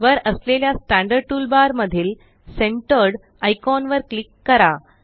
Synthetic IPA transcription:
ʋəɾəsleljasʈæ̃ɳɖəɾɖ̚ʈulbaɾməd̪ʱiːl | seɳʈəɾɽ | ajkɔnʋəɾklikːəɾa

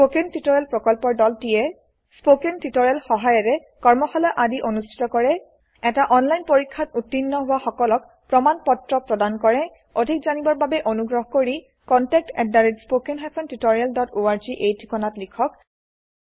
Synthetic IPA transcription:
spokentitoɹalpɹɔkɔlpɔɹdɔltijɛ | spokentitɔɹialxɔɦajɛɹɛ | kɔɹmɔxalɔʔadiʔonustʰi̥tɔkɔɹɛ | ɛtaʔɔnlajnpoɹikʰːatutːinːɔɦʊwaxɔkɔlɔk | pɹɔmanpɔtɹɔpɹɔdankɔɹɛ | odʱik̚zanibɔɹbabɛʔonuɡɹɔɦkoɹi | kɔntɛk̚tɛdːaɹitspokenɦapʰɔntutoɹialdɔtoaɹziʔejtʰikɔnatlikʰɔk̚

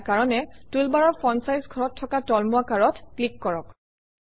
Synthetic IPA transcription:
kaɹɔnɛtulbaɹɔɹpʰɔnsajzɡʱɔɹɔtʰːɔkatɔlmuakaɹɔtklikːɔɹɔk

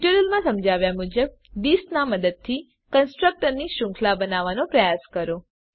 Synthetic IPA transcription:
ʈuɾəlmãsəmd͡ʒaʋjamud͡ʒəb̚ | bisnaməd̪əd̪̚t̪ʰi | kənsʈɾək̚ʈəɾniʃʊ̃ŋkʰlabənaʋanopɾəjaskəɾo

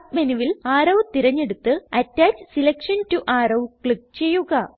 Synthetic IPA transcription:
kmɐnuʋilaːɾɐwt̪iɾɐɲːe̞ɽut̪ːɨɐtːaːt͡ɕsilɐkʂɐntuʔaːrɐwkɭik̚t͡ɕe̞jːuɣɐ

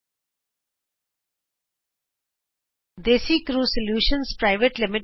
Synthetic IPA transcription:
d̪esit̪ʰɾuːsəljuːʃə̃nspɾaɪʋəʈlɪmɪʈ

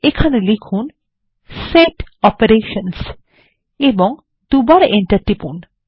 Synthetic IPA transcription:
ekʰanelikʰun | seʈɔpeɾeʃəns | ebɔŋ | d̪̥ubaɾeɳʈɐɾʈipun

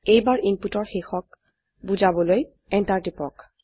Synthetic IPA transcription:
ejbaɹʔinputɔɹxexɔk̚ | buzabɔloj | ɛntaɹtipɔk

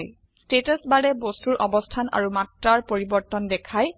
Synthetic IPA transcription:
j | stetɔsbalɛbostuɹʔɔbɔstʰana̰ɹumatɹaɹpoɹibɔɹtɔndɛkʰaj

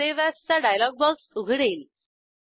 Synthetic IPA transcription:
eʋjast͡saɖajlɔɡ̚bɔksuɡʱɽel

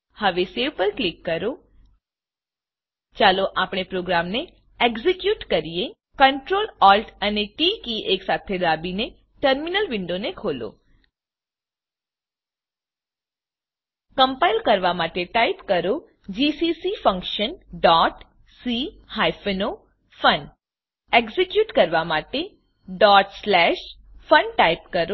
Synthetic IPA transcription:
həʋeseʋpəɾklikːəɾo | t͡ʃaloʔapɽ̃epɾoɡɾamne | eɡzikjuʈkəɾie | kəɳʈɾolɔlʈʰəneʈikiʔeksat̪ʰed̪abine | ʈəɾminəlʋɪɳɖonekʰolo̰ | kəmpailkəɾʋamaʈeʈaipkəɾo | d͡ʒisisifə̃ŋkʃənɖɔʈ | si | hajfeno | fən | eɡzekjuːʈkəɾʋamaʈe | ɖɔʈslɛʃ | fənʈaipkəɾo

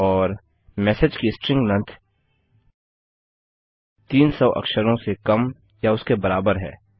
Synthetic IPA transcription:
ɔːɾ | mɛːsed͡ʒkisʈɾɪ̃ŋɡnə̃nt̪ʰ | t̪iːnsɔʔɐ̰kʃəɾõsekɐm | jaʊskebɐɾaːbəɾɦɛ̰ː

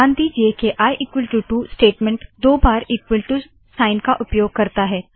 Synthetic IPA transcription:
ãːnd̪iːd͡ʒiekeʔaːjʔiːkwɪlʈuʈusʈeːʈmẽɳʈd̪oːbaːɾiːkwɪlʈu | saːɪnkaʔʊpjoːɡ̚kɐɾt̪aɦɛː

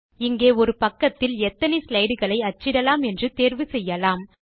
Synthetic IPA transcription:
ɪŋɡeːɔɾɯpɐkːɐt̪ːɪlɛt̪ːɐnɛɪslɐɪɽɯɣɐɭɐɪɐt͡ʃːɪɽɐlaːmɛndrɯt̪eːɾʋɯsɛjːɐlaːm

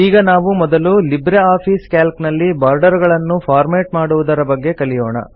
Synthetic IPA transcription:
iːɡɐnaːʋumɔd̪ɐlulibɾeaːpʰiːskaːlknɐlːibaːɾɖɐɾɡɐɭɐnːupʰaːɾmeːʈmaːɽuʋud̪ɐɾɐbɐɡːe̞kɐlijoːɳɐ̰

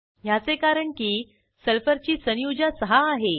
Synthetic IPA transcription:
jat͡sekaɾəɳkiː | səlfəɾt͡ɕiːsənjud͡ʑasəɦaːɦe

